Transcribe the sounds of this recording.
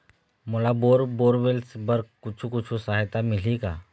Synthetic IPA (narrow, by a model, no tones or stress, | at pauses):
molaboːɾboːɾʋelsbəɾkʊt͡ʃʰukʊt͡ʃʰusaːɦt̪amɪlikaː